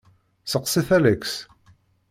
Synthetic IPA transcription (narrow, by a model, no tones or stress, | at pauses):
səqsiθælæks